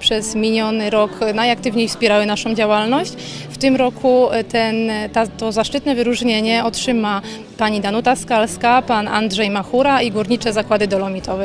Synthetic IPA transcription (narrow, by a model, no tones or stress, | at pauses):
pʂɛzmʲilʲɲjɔnɘɾɔknajak̚t̪ɘvɲejfspʲjɛɾawɘnaʂɔ̃w̃d͡ʑawalnɔɕt͡ɕ | ft̪ɘmɾɔkʰut̪ɛnt̪at̪ɔzaʂt͡ʂɘt̪nɛvɘɾuʐɲeɲɛɔtʂɘma | paɲid̪anut̪askalskapana̰ndʐɛjmaxuɾaiɡuɾɲit͡ʂɛzakwad̪ɘd̪ɔlɔmʲit̪ʰɔvɛ